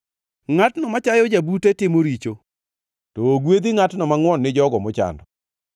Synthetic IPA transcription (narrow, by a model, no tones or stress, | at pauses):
ŋatnɔmat͡ʃajɔd͡ʒabutetɪmoɾit͡ʃo | tɔːɡwed̪iŋatnɔmaŋwɔnːɪd͡ʒɔɡɔmɔt͡ʃa̰ndɔ